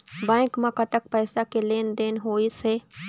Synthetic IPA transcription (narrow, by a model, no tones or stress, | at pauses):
bãːɪkmãkɐt̪ək̚pɛːsakeleːnd̪eːnɦoːiseː